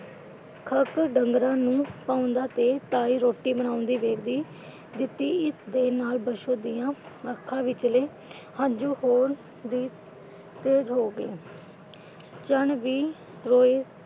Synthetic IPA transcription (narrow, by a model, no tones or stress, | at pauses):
kʰəkɖəŋɡɾãːnũːpaːʊ̃nd̪aːt̪eːt̪aːiːɾoːʈːiːbənaːʊ̃nd̪iːʋeːkd̪iː | d̪ɪt̪ːiːɪsd̪eːnaːlbəʃoːd̪ɪjãːəkʰːãːʋɪt͡ʃleː | hãːɲd͡ʒuːɦoːɾ | d̪iː | t̪eːzɦoːɡḛː | t͡ʃəɳʋiː | t̪ɾoːeː